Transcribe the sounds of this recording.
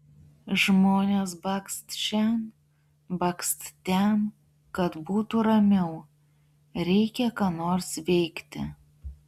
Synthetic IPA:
ʒmoːnʲeːsbɐkst̪ʃʲɛn | bɐkst̪t̪ʲɛn | kɐt̪buːt̪uːɾɐmʲɛʊ | ɾʲɛɪkʲɛkɑːnoːɾsʋʲɛɪkt̪ʲɪ̰

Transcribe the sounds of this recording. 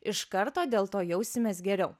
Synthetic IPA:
ɪʃkɐɾt̪oːd̪ʲeːlˠt̪oːjɛʊsʲɪmʲɛːsɡʲɛɾʲɛʊ

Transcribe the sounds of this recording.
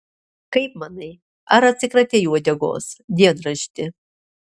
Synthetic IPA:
kɐɪp̚mɐnɐj | a̰ɾɐt͡sʲɨkrɐt̪ʲejuɔd̪ʲɛɡo̰ːsd̪ʲiɛnrɐʃt̪ʲɪ

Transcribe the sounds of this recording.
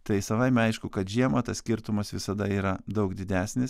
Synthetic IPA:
t̪ɐɪsɐʋɐɪmʲɛɐɪʃkʊkɐt̪ʒʲiɛmɐt̪ɐssʲkʲɪɾt̪ʊmɐsʋʲɪsɐd̪ɐiːɾɐd̪ɐʊkd̪ʲɪd̪ʲæːsʲnʲɪs

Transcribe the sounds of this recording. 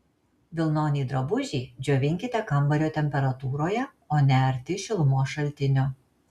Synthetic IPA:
ʋʲɪlˠnoːnʲiːd̪ɾɐbʊʒʲiːd͡ʒʲoːʋʲɪŋʲkʲɪt̪ʲɛkɐmˑbɐɾʲoːt̪ʲɛmʲpʲɛɾɐt̪uːɾoːjɛ | oːnʲæɾʲt̪ʲɪʃʲɪlˠʊmoːʃɐlʲˑt̪ʲɪnʲʊ

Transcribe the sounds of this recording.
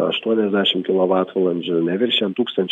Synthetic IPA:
ɐ̰ʃt̪uɔnʲɛzʲd̪ʲæːʃʲɪmkʲɪlˠoːʋɑːt̪ʋɐlˠɐnʲd͡ʒʲʊnʲɛʋʲɪɾʲʃʲɛnt̪uːkst̪ɐnʲt͡ʃʲ

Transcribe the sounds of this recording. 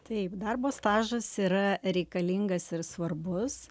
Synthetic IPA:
t̪ɐɪpd̪ɐrboːst̪ɑːʒɐsiːɾɐɾʲɛɪkɐlʲiŋɡɐsɪɾsʋɐrbʊs

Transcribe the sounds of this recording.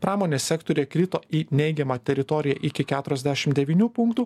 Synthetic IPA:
pɾɑːmoːnʲeːsʲsʲɛkt̪oːɾʲijɛkɾʲɪt̪oːiːnʲɛɪɡʲɛmɑːt̪ʲɛɾʲɪt̪ɔɾʲɪjɛʔɪkʲɪkʲæːt̪ʊɾʲɛzd̪ʲæʃʲɪmt̪d̪ʲɛʋʲiːnʲuːpʊŋkt̪uː

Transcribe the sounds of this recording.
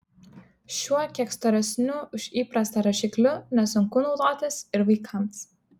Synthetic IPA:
ʃʲuɔkʲiɛkst̪ɔːɾʲɛsʲnʲʊʊʃʲiːpɾɐst̪ɐɾɐʃʲɪklʲʊnʲɛsʊŋkʊnɒʊd̪oːt̪ʲɪsɪɾʋɐɪkʰɐms

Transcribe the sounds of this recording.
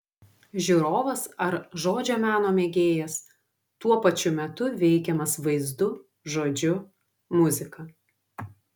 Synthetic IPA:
ʒʲuːɾoːʋɐsɐɾʒoːd͡ʒʲoːmʲæːnoːmʲeːɡʲeːjɛs | t̪uɔpɐt͡ʃʲʊmʲɛt̪ʊʋʲɛɪkʲɛmɐsʋɐɪzd̪ʊ | ʒoːd͡ʒʲʊ | mʊzʲɪkɐ

